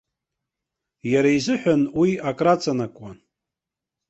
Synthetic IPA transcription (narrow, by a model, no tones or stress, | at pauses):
jaɾaizɨħʷᶣanwiakʼrat͡sʼanakʷʼan